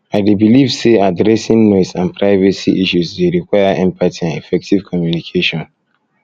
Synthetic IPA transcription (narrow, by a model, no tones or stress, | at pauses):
aɪdebilivseadɾɛsĩŋnɔtsãnpʰɹaɪvasiʔiʃusdeɾikwaɪaʔɛ̃mpʰatʰiãnifɛk̚tivkʰɔmjunikʰeʃɔ̃n